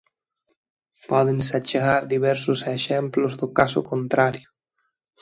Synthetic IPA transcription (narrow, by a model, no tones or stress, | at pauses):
pɔðensat͡ʃeɣaɾd̪iβɛɾsʊseʃɛmplʊzðʊkasʊ̰kont̪ɾaɾjo